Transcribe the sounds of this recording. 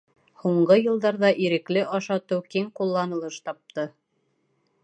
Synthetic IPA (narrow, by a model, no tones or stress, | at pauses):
huɴɢɤjɤ̆lˠd̪ɑɾðɑʔiɾɘ̆klɘʔɑʃɑt̪ɵwkiŋqulˠːɑnɤ̆lˠɤʃt̪ɑp̚t̪ɤ